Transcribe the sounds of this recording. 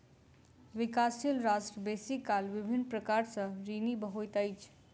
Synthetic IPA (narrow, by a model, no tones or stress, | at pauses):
ʋɪkaːsijəlɾaːsʈɾəbeːsikaːlʋɪbʱɪnːpɾəkaːɾsə̃ɾiːnibəɦoːjt̪əjt͡ʃʰ